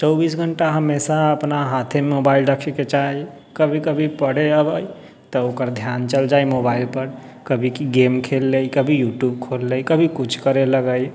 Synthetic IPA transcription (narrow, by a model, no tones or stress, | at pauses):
t͡ʃəʊbiːsɡʱəɳʈaɦəmesaəpnaɦaːt̪ʰemobaːɪlɾəkʰeket͡ʃai | kəbʱikəbʱipəɽeəbəi | t̪ɔoːkəɾd̪ʱjaːnt͡ʃəld͡ʒaːimoːbaːɪlpəɾ | kəbʱikiɡeːmkʰeːlːeikəbʱijuːʈjuːb̚kʰoːlːeikəbʱikʊt͡ʃʰkəɾeləɡəi